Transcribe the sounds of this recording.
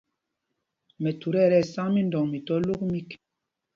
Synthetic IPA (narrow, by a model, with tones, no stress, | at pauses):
mɛ˨tu˨ɾɛ˦˨ɾɛ˦˨sa˦ŋmi˦ndɔ˨ŋmi˨tɔ˦lo˦kmi˦k